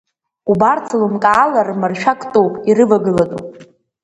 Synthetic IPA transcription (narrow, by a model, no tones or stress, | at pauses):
ubart͡sʰlɨmkʼaːlarmɨrʃᶣakʼtʼowpʼirɨvaɡɨlatʼṵpʼ